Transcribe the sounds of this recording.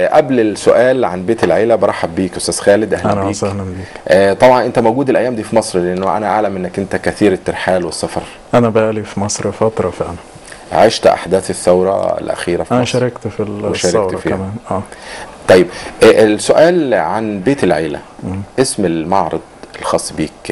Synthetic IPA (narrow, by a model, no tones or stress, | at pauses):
ʔæblelsoʔæːlʕanbeːt̪elʕeːlæbɑɾˤɑħːabːiːkʔʊst̪æːz̥xæːled̪ʔæhlʔæmnbiːsæhlænbiːkʔt̪ˤɑbʕɑnʔent̪æmowɡuːd̪elʔæjːæːmd̪iːfimɑsˤɾleʔenːoʔæ̰næʔa̰ʕlæmʔenːækʔɪnt̪ækæθiːɾet̪ːeɾħaːlwesːɑfɑɾˤ | ʔænæbʔæːlifimɑsˤɾfɑt̪ɾˤɑfiʔænæ | ʕa̰ːʃt̪ʔa̰ħd̪æːθeθːæwɾˤɑ̰ḛlʔæ̰xiːɾæfiʔænʃæɾˤɑkt̪filʃæːɾkɾfiːæmæːnʔæːt̪ˤɑjːebʔʔlsoʔæːlʕanbeːt̪elʕeːlæ̰ʔesmelmɑʕɾˤɑd̪ˤelxɑːsˤːbiːk